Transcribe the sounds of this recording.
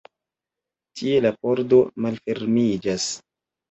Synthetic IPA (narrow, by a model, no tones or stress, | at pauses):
tʰie̞lapo̞ɾdo̞malfe̞ɾmid͡ʒas